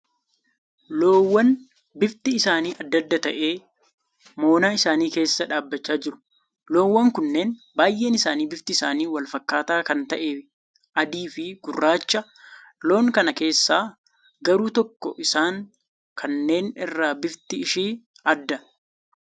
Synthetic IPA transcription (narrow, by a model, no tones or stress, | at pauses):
loːwːɐn | bɪft̪ɪɪsaːniːʔɐd̪ːɐd̪ːɐt̪ɐʔe̞ː | moːnaːɪsaːniːke̞ːsːɐᶑaːbːɐt͡ʃːaːd͡ʒɪɾʊ̥ | lo̞ːwːɐŋkʊnːe̞ːn | baːjʔe̞ːnɪsaːniːbɪft̪ɪɪsaːniːwɐlfɐkːaːt̪aːkɐnt̪ɐʔeː | ʔɐd̪iːfɪɡʊrːaːt͡ʃːɐ | lo̞ːŋkɐnɐke̞ːsːaː | ɡɐɾuːt̪ɔkːɔ̰ʔɪsaːŋ | kʰɐnːe̞ːnɪrːaːbɪft̪ɪɪʃiː | ɐd̪ːɐ